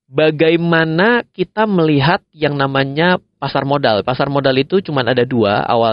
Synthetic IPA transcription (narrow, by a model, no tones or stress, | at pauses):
baɡajmanakit̪aməliɦat̪̚jaŋnamaɲapasarmodalpasarmodalit̪ut͡ʃumanadadua̰a̰wa